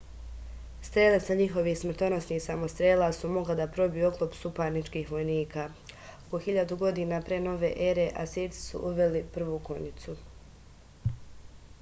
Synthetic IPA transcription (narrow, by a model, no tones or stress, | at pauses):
st̪ɾeːlesaɲixo̞ʋiːhsmr̩t̪o̞no̞sniːhsamo̞st̪ɾeːlaːsumo̞ɡlad̪apɾo̞bijuo̞klˠo̞psupaːɾnit͡ʃkiːxʋo̞jniːkaː | oko̞xiʎad̪uɡo̞d̪iːnapɾeːno̞ʋe̞ːʔe̞ɾe̞ʔa̰set̪i̥sṵʔuʋe̞lipr̩ʋuːko̞̰ɲit̪su